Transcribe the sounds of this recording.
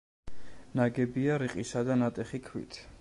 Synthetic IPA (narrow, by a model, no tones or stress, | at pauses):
naɡɛbiaɾiqʼisad̪anat̪ʼɛχikʰwḭt̪ʰ